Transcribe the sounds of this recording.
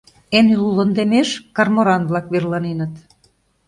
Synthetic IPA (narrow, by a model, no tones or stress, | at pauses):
enylulə̆nd̪emeʃkɑrmoɾɑnβlɑkβerlɑnenə̆t̪